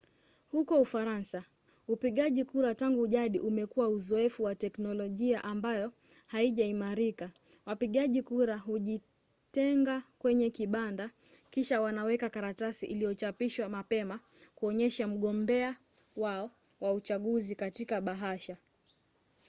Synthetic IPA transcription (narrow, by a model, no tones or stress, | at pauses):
hukɔufaɾansa | upiɠaʄikuɾataŋɡuʄaɗiʔumɛkuwauzɔɛfuwatɛknɔlɔʄiaʔambajɔ | haiʄaimaɾika | wapiɠaʄikuɾaɦuʄi | tɛŋɡakwɛɲɛkiɓanda | kiʃawanawɛkakaɾatasiʔilijɔt͡ʃapiʃwamapɛma | kuɔɲɛʃam̩ɠɔmbɛa | waɔ | waut͡ʃaɠuzikatikaɓaɦaʃa